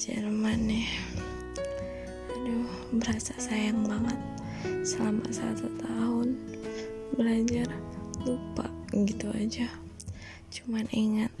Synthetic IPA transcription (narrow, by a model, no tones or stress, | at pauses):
d͡ʒə̰rmanːɛh | du | bəɾasasajaŋbaŋat̪̚ | səlama̰sa̰t̪ut̪aɦʊn | bəlad͡ʒarlupa̰ɡit̪ua̰d͡ʒa | t͡ʃumaniŋat̪̚